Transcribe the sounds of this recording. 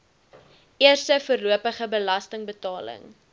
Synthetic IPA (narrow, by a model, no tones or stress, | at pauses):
ʔiərstəfəːrluəpəχəbəlɐstəŋbətɑːlə̰ŋ